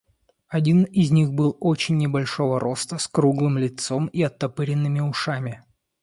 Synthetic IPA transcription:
ɐdʲinɪzʲnʲixbɨlˠo̞t͡ɕɪnʲːɪbɐlʲʂo̞vəɾo̞st̪əskɾuɡlˠɨmlʲɪt̪so̞miɐt̪ːɐpɨɾʲɪnːɨmʲɪʊʂamʲɪ

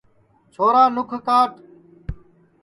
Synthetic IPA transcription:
t͡ʃʰoːɾaːnʊkʰkaːʈ

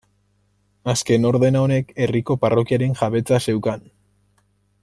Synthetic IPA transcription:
aske̞no̞ɾðe̞naone̞ke̞riko̞paro̞kiaɾe̞ŋʝaβe̞t͡sase̞wkan

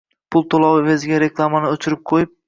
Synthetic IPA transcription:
pʰʊlˠt̪ʰolˠɒwvezɡʲaɾe̞klˠamanɪot͡ʃʰɪɾɪp̚qʰojɪp̚

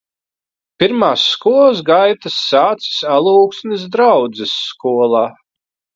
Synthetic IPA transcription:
piɾmaːsːkuɔlˠsɡajt̪asːaːt̪si̥salˠuːksnisd̪ɾawd̪zɪsːkuɔlˠaː

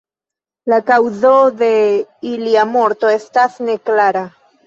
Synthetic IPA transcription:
lakawzode̞iliamo̞ɾt̪o̞e̞stasne̞klaɾa

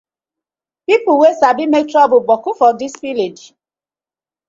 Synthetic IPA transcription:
pipʊwesabimek̚tɾɔbʊbɔkʊfɔdispiled͡ʒ

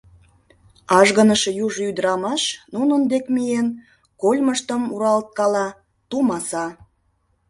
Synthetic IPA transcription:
ɑʒɣə̆nəʃejuʒyd̪əɾɑmɑʃnunənd̪ekmijen | kolʲməʃt̪ə̆muɾɑlt̪̚kɑlɑ | t̪umɑsɑ

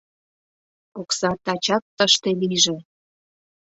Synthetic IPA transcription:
oksɑt̪ɑt͡ɕɑk̚t̪əʃt̪eliʒe

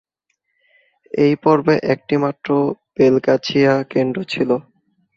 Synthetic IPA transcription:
ejpɔɾbeʔɛk̚ʈimatːɾob̥elkat͡ɕʰiakeɳɖot͡ɕʰilo

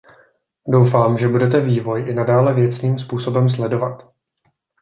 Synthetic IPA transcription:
do̞wfaːmʒɛbudɛt̪̬ɛviːvo̞jʔɪnadaːlɛvjɛt͡sniːmspuːso̞bɛms̬lɛdo̞vat̪

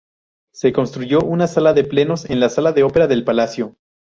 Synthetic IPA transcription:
se̞ko̞nst̪ɾuʝo̞ʔunasalaðe̞ple̞no̞se̞nlasalaðe̞o̞pe̞ɾaðe̞lpalasjo̞

